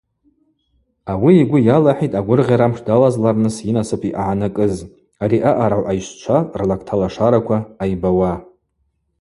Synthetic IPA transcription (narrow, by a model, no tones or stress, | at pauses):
awiːɡʷʊjalaħitʼaɡʷʊrʁʲaɾamʂdalazlarnɨsinasɨpʰiʔaʕanakʼɨz | aɾiʔaʔaɾaʕʷajʃʷt͡ʃʷʰarlakʰtʰalaʂaɾakʷʰaːjbawa